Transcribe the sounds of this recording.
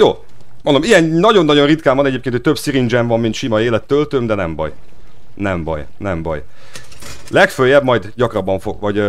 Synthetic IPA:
joːmond̪omijɛnnɒɟo̞nːɒɟo̞nrit̪kaːmvɒnɛɟeːp̚keːnot̪̚ʲøbsiɾind͡ʒɛɱvɒmːint̪ʃimɒeːlɛt̪ːølt̪ømd̪ɛnɛmbɒ̰j | nɛmbɒ̰j | nɛmbɒ̰j | lɛkføjːɛbmɒjd̪ɟɒkrɒbɒɱfoɡvɒɟ

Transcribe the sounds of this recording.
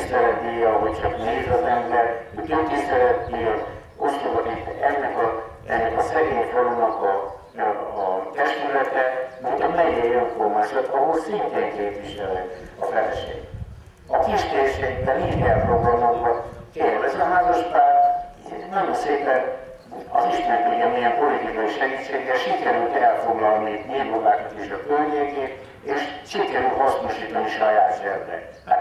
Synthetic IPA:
sɛɾɛt̪ijɒɦo̞ct͡ʃɒkneːzɒzɛmbɛrhocot̪isɛɾɛt̪ːiɛ | ot̪soɡɒnit̪ːɛnːɛkɒ | ɛnːɛkɒsɛɡeːɲfoɾomnɒkɒː | t̪ɛʃt̪ylɛt̪ɛmod̪ɛmɛɲːiɛjoɱformaːʃɒt̪ɒɦolsint̪eːŋkeːpliʃɛlɛɒvɛlɛʃḛːɡ | ɒkiʃkeʃed̪ɛmiʃɛlproɡrɒmɒmbokeːrvɛzøɦaːzoʃpaːrr | nɒjonseːpɛn | ɒ̰ziʃmɛk̪eɲɒmijɛmpo̞lit̪ikɒjiʃɛɡit̪ʃeːɡɾɛʃikɛɾylt̪ɛlfo̞ɡlɒlnimeːbobaːkɒt̪eːʃɒkølɲeːɡeːt̪ | eːʃʃikɛɾylt̪hɒsnoʃiːt̪ɒniʃɒjaːsɛvːɛ̰

